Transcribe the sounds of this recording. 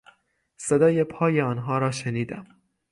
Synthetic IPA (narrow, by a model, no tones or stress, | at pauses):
sed̪ɒːjepʰɒːjeɒːnɦɒːɾɒːʃeniːd̪æ̰m